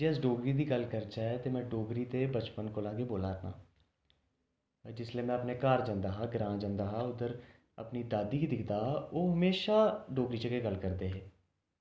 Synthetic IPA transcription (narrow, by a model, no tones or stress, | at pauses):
d͡ʒeːəs̬ɖoːɡɾiːd̪iːɡəlkəɾd͡ʒaːɛt̪eːmɛ̃ːɖoːɡɾiːt̪eːbət͡ʃpənkoːlãːɡeːboːlaːɾnã̰ː | d͡ʒɪsleːmɛ̃ːəpneːkaːɾd͡ʒãːnd̪aːɦãːɡɾãːd͡ʒãːnd̪aːɦãːʊd̪əɾ | ə̰pniːd̪aːd̪iːkiːd̪ɪkd̪aːoːɦəmeːʃaːɖoːɡɾiːt͡ʃəkeːɡəlkəɾd̪eːɦeː